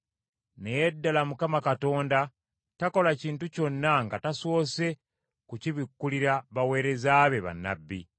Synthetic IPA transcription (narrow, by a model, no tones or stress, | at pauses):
ne̞jedːalamukamakato̞ːnda | tako̞laciːntuco̞nːaŋɡataso̞ːse̞ | kuciβikːuliɾaβawe̞ːɾe̞zaːβe̞βa̰nːa̰bːḭ